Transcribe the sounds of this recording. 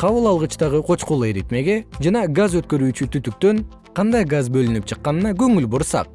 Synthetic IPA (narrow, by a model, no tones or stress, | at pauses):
qʰɑβɯlˠɑlˠʁɯt͡ʃt̪ɑʁɯqʰo̞t͡ʃquːlˠeɾit̪me̞ɡe̞d͡ʒɑnɑɡazø̞t̪̚kø̞ɾyːt͡ʃyt̪ʰyt̪yk̚t̪ø̞n | qʰɑnd̪ɑjɡazbø̞lynyp̚t͡ʃʰɯqːɑnɯnɑɡø̞ŋylboɾsɑ̰q̚